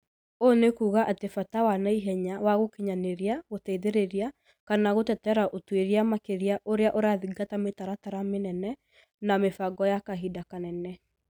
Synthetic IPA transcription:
onekuːɣaʔatefatawanaiɦɛɲawaɣokiɲaneɾiaɣotɛiðeɾeɾia | kanaɣotɛtɛɾaʔotweɾiamakeɾiaʔoɾeaʔoɾaðiɡatametaɾataɾamenɛnɛ | namefaɡɔjakaɦidakanɛnɛ

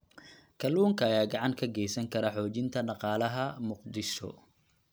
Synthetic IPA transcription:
kʰɐluːŋkʰɐːjaːɡɑʕɑŋkʰɐɡɛjsɐŋkʰɐɾɐħɔːt͡ʃɪnt̪ʰɐnɑqɑːlɐɦɐmʊqd̪ɪʃɔ̰

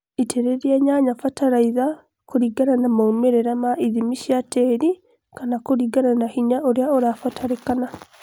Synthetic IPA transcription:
itʰeɾeɾiaɲaɲafataɾaiða | koɾiɡananamaumeɾeɾamaʔiðimiʃiateɾi | kanakoɾiɡananahiɲaʔoɾeaoɾafataɾekana

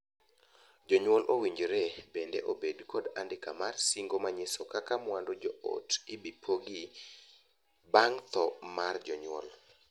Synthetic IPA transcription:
d͡ʒɔɲwɔlʔowiɲd͡ʒɾebendeʔobedkɔdandɪka̰marsiŋɡomaɲesokakamwandod͡ʒɔo̰tɪbipʰoɡi | baŋt̪ɔmard͡ʒɔɲwɔ̰l

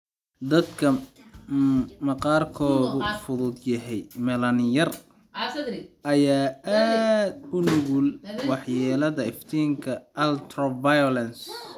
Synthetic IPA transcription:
d̪ɐd̪kʰɐ | mɐqɑːrkʰɔːɣʊfʊðʊd̪jɐɦɛjmɛlɐnjɐr | ʔɐjaːʔaːd̪ʊnʊɣulwɑħjɛːlɐðɐɪft̪ʰiːŋkʰɐʔɐlt̪ʰrɔvajɔlɐns

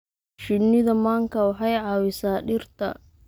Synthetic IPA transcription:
ʃɪnɪðɐmaːŋkʰɐwɑħɑjʕɑːwɪsaːɗɪrt̪ʰɐ̰

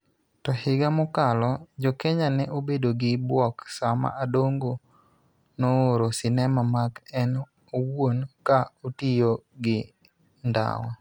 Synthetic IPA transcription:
tɔhɪɡamʊkalɔd͡ʒokeɲanɛʔobedoɡɪbwɔksama̰ʔadoŋɡo | nooɾosɪnɛmamakɛn | owonkaotijoɡɪ | nda̰wɔ̰

